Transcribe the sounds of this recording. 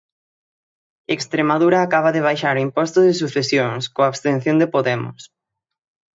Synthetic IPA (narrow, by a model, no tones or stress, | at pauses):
ekst̪ɾemaðuɾaːkaβ̞ɐðɪβ̞ajʃaɾʊimpɔst̪ʊðɪsuθesjoŋskoaβst̪ẽn̟θjõnd̪epoðɛmʊ̰s